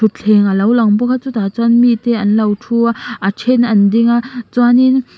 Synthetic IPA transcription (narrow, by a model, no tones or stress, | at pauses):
ut͡ɬʰɛŋalɐwlɐŋbɔkat͡sut̪aːt͡swanmit̪ɛʔɐnlɐwtʰuaʔat͡ʃʰɛnɐndiŋat͡swanin